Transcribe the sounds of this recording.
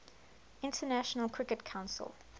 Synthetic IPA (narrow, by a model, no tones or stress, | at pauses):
ɪ̃ntʰənæʃənəlˠkʰɹɪkətkʰãʊ̃nsə̰lˠ